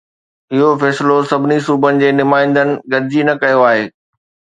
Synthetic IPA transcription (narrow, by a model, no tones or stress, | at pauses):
ɪɦofɛːsɪlosɐbʱɪnisuːbənɪ̆d͡ʑeːnʊmaːɪ̃nd̪ənɪ̆ɡɐɾɪd͡ʑinɐkɐjoaːɦeː